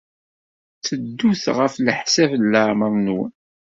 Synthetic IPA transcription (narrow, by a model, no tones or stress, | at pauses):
t͡səd̪ːuθʁəfləħsævlːəʕməɾˤnwə̰n